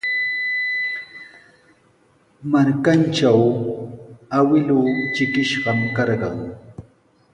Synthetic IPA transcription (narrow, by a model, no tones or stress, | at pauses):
maɾkanʈ͡ʂaw | awɪlʊt͡ʃɪkɪʃɢɑmkɑɾɢɑŋ